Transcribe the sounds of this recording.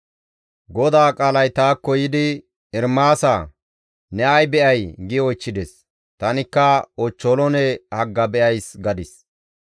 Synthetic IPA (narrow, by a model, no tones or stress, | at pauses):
ɡɔd̪aːkʼaːlɐjt̪aːkːɔjɪd̪ɪ | ɪɾmaːsa | nɛɐjbɛʔɐjɡɪɔjt͡ʃːɪd̪ɛs | t̪ɐnɪkːɐɔt͡ʃːɔːlɔnɛhɐɡːɐbɛʔɐjsɡɐd̪ɪs